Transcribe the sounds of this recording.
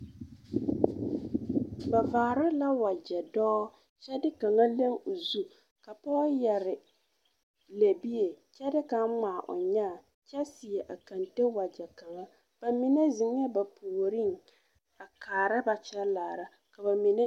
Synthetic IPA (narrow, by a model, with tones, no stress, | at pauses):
ba˨vaː˨ɾɪ˦la˦wa˨d͡ʒɛ˨dɔː˦ | t͡ʃɛ˦dɪ˦ka˨ŋa˦le˦ŋo˨zu˦ | ka˨pɔː˦jɛ˨ɾɪ˨ | le˨bi˦e˨t͡ʃɛ˦dɪ˦ka˨˦ŋ͡maː˨ʔʊ̰˨ɲaː˦˨ | t͡ʃɛ˦sɪ˨ɛ˨ʔa˨ka˨nte˦wa˨d͡ʒɛ˨ka˨ŋa˦ | b̥a˨mi˦ne˦zɪ˨ŋ˦ɛ˦ba˨pʰoː˨ɾɪ˦ŋ | a˨kaː˨ɾa˦ba˨t͡ʃɛ˦laː˨ɾa˦ | ka˨ba˨mi˨ne˦